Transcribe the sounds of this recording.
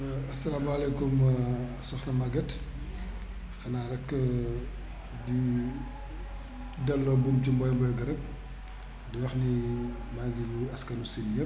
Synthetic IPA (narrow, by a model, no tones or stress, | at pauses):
ɐsɐlaːmɐlɛkum | sɔxnɐmɐɡɐt | xɐnaːɾɛkː | di | dɐlːɔbumcimbɔːjmbɔjɡɐɾɐp̚ | diwɐxni | maɡiluɐskɐnusinjɐ